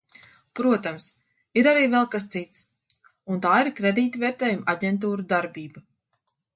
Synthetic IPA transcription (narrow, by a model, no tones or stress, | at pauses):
pɾuɔt̪ams | iɾaɾiːvɛlˠkast̪sit̪s | unt̪aːiɾkɾɛd̪iːt̪vɛɾt̪ɛːjumaɟʲɛnt̪uːɾud̪aɾbiːba